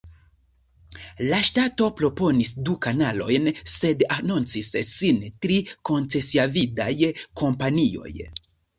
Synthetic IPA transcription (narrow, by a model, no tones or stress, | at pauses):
laʃtato̞pɾo̞po̞nisdukanalo̞jnse̞danunt͡sisːintɾiko̞nt͡se̞siavidajkʰo̞mpanio̞̰j